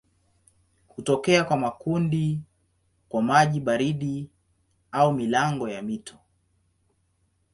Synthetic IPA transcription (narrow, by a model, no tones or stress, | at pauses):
hutɔkɛakwamakundi | kwamaʄiɓaɾiɗi | aumilaŋɡɔjamitʰɔ̥